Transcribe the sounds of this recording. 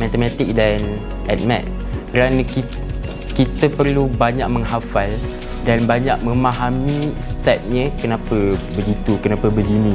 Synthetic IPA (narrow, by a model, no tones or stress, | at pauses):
mat̪əmat̪ɪk̚dan | ʔɛt̪̚mɛt̪̚ | kəɾanə̃ki | kit̪əpərlubaɲaʔ̚məŋɦafal | danbaɲaʔ̚mə̃maɦamĩst̪ɛp̚ɲə̃kənãpəbəɡit̪ukənãpəbəɡinĩ